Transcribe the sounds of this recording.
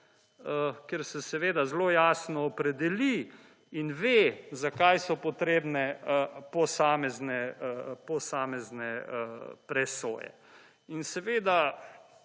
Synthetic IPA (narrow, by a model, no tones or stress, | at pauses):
əkɛɾsɛsɛʋeːd̪azloːjaːsnɔːpɾɛd̪ɛli | inʋezakajsɔpɔt̪ɾeːbnɛpɔsaːmɛznɛpɔsaːmɛznɛəpɾɛso̰ːjɛ̰ | insɛʋeːd̪a